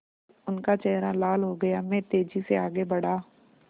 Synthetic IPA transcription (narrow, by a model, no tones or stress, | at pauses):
ʊnkat͡ʃɛɦɾalaːlɦoɡɐjamɛ̃t̪eːd͡ʒiseaːɡebɐɽ̤aː